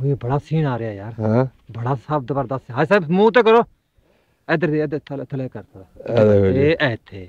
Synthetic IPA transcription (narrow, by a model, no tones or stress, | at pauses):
ibəɽaːsiːnaːɾɪjaːjaːɾɦãbəɽaːsab̚d̪baːɾd̪əsɦaːsɛːbmũːt̪̬eːkəɾoː | ɛd̪əɾd̪iɛd̪t̪ʰlt̪ʰəlɛːkəɾt̪ʰa | eːʔɛːt̪ʰeː